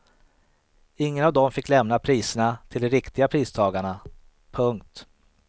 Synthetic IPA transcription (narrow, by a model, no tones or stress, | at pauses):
ɪŋːənavd̪ɔmfɪkːlɛmnapʰɾiːsəɳat̪ʰɪld̪ɛɾɪkt̪ɪɡapʰɾiːst̪ʰɑːɡaɳa | pʰɵŋkt̪